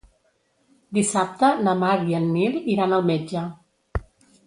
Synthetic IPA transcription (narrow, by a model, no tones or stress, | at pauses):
d̪isap̚t̪ənəmaɾiənːiliɾanəlˠmed͡ʒə